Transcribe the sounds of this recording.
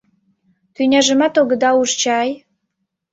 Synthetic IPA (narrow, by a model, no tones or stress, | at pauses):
t̪ynʲɑʒə̆mɑt̪oɣə̆d̪ɑuʒt͡ɕɑj